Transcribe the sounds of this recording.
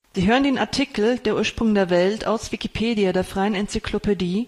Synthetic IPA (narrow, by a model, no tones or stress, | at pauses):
z̥iːɦøːʁəndeːnaɐtʰikl̩d̥eːɐʔuːɐʃpʁ̥ʊŋdeːɐvɛltʰa̰ʊsv̥ikipʰeːdiadeːɐfʁ̥aɪənɛnt͡sikʰlopʰediː